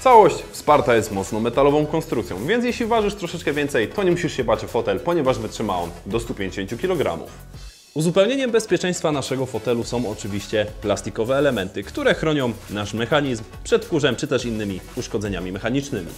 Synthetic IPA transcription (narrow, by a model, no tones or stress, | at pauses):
t̪sawɔɕt͡ɕfspaɾt̪ajɛst̪mɔt̪snɔmɛt̪alɔvɔ̃w̃kɔnst̪ɾukt̪sjɔ̰̃w̃vʲjɛnt̪̬ʲjeɕlʲivaʐɘʂt̪ɾɔʂɛt͡ʂkɛvʲjɛnt̪sɛjt̪ɔɲɛmuɕiʂɕɛbat͡ʂfɔt̪ɛlpɔɲɛvaʐvɘtʂɘmaɔnd̪ɔst̪upʲjeɲd͡ʑeɕeɲt͡ɕukʲilɔɡɾa̰mṵf | uzupɛwɲeɲɛmbɛspʲjɛt͡ʂɛj̃st̪fanaʂɛɡɔfɔt̪ɛlusɔ̃w̃ɔt͡ʂɘvʲiɕt͡ɕɛplast̪ikɔvɛːlɛmɛnt̪ɘkt̪uɾɛxɾɔɲɔ̃w̃naʂmɛxaɲizmpʂɛt̪kuʐɛmt͡ʂɘt̪ɛʂinːɘmʲiuʂkɔd̪zɛɲamʲimɛxaɲit͡ʂnɘmʲḭ